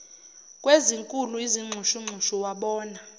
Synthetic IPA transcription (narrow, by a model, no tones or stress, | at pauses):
kʼweziŋkʼuluiziŋ͡ǁʱuʃuŋ͡ǀʱuʃuwaɓɔːna